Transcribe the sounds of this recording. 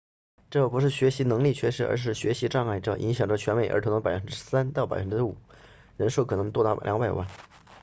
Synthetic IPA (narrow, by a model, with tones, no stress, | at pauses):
ʈ͡ʂɤ˥˩pu˧˥ʂɻ̩˥˩ɕɥɛ˧˥ɕi˧˥nɤ˧˥ŋli˥˩t͡ɕʰɥɛ˥ʂɻ̩˥˩ə̰˧˥ʂ̬ɻ̩˥˩ɕɥɛ˧˥ɕi˧˥ʈ͡ʂɑ˥˧ŋa˥˩ɪʈ͡ʂɤ̰˥˩ʔi˧˥ŋɕjɑ˨˩ŋʈ͡ʂə˧t͡ɕʰɥɛ˧˥nme˧˩ɪə̰˞˧˥tʰo˧˥nɤ˧˥pa˨˩ɪfə˧˥nʈ͡ʂɻ̩˥sa˥nt̪ɑ˥˩pa˨˩ɪfə˥ʈ͡ʂɻ̩˥˩u˨˩˦ | ɻə˧˥nʂo˥˩ʊkʰɤ˨˩nɤ˧˥t̪wɔ˥˧t̪ɑ˥˩ʊljɑ˧˥ŋpa˨˩ɪwa̰˥˩n